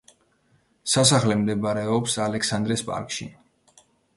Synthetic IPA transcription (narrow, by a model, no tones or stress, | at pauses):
sas̬aχlɛmd̪ɛbaɾɛɔpsalɛksand̪ɾɛspʼa̰ɾkʼʃḭ